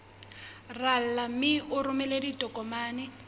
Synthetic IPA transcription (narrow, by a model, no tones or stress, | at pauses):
ral̩lamɪʊɾʊmɛleditʼɔkʼɔmaːnɛ